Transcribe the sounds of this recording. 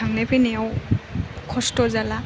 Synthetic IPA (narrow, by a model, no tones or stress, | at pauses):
aŋnepʰiniaw | kʰɔstɔzala